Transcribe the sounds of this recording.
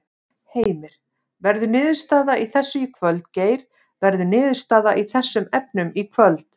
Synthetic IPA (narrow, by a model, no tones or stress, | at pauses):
heːjmɪɾ̥ | vɛɾðʏnɪːðʏ̥st̪aːðaʔiθɛsːʏikʰvœlt̪̚ceːjɾ | vɛɾðʏnɪːðʏ̥st̪aːðaʔiθɛsːʏmɛp̚nʏmikʰvœlt̪